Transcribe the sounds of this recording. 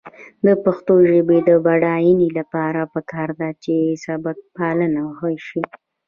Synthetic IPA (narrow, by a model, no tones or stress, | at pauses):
d̪əpaxt̪oʒəbed̪əbaɽɑjinilapɑɾapəkʰɑɾd̪at͡ʃeɪsɑbat̪̚pɑlənaɣəʃi